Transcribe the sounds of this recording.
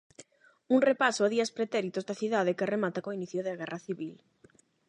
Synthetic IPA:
uŋrepasoaðiɐspɾet̪ɛɾit̪ozðaθiðaðekeremat̪akoiniθjoðɪaɣɛraθiβil

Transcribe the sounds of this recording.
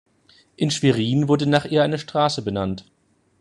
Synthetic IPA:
ʔɪnʃv̥iʁiːnvʊɐdənaːχʔiːɐʔaɪnəʃtʁ̥aːsəbənant

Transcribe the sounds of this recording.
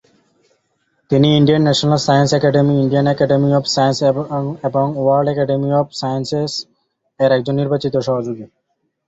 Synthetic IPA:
t̪iniiɳɖijanːɛʃonalsajənsɛkɛɖemiiɳɖijanɛkɛɖemiɔbsajənsebɔŋuwaɾɖɛkɛɖemiɔbsajənses | eɾɛk̚d͡ʑonːiɾbat͡ɕit̪oʃɔɦad͡ʒuɡi

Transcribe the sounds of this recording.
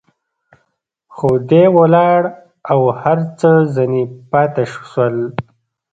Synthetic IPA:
xod̪ewalɑːɽ | awhaɾt͡səzanipɑːt̪aʃu̥swəl

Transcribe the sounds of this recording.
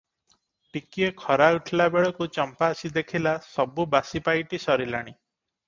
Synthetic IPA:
pikiekʰɔɾauʈʰlabeɭɔkut͡ʃɔmpaːsid̪ekʰilasɔbubasipajʈisɔɾilaɽ̃i

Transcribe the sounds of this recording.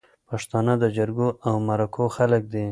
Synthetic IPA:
paʂt̪ɑnəd̪əd͡ʒaɾɡoʔawmaɾakʰoxalək̚d̪e

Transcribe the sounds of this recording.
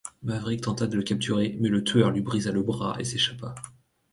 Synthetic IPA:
mavʁik̚t̪ɑ̃t̪ad̪ələkʲap̚t̪ʰyʁemɛlət̪ʰɥœʁlɥibʁizaləbʁa̰ʔḛseʃapa

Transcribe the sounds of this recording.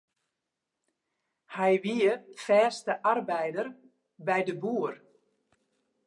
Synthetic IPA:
hɛjʋiəfɛːstəʔarbɛjdər | bɛjdəbuər

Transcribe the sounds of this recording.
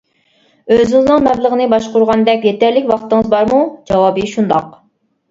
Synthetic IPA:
øzɪŋɪznɨŋmɛblˠəʁənɨbɑʃqʊɾʁɑnd̪ɛkʲjɛt̪ʰæɾlɪkʲwɑχt̪ɨŋɨzbɑɾmud͡ʒɑwɑbɨʃund̪ɑq

